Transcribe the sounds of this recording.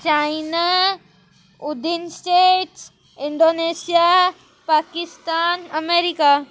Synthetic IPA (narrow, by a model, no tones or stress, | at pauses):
t͡ɕaina | ʊd̪ʱinsʈeːʈ | ɪ̃ɳɖoːneːsija | paːkɪst̪aːnɐmeːɾika